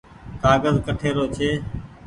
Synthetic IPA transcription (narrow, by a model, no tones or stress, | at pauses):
kaːɡəzkəʈʰeːɾoːt͡ʃʰeː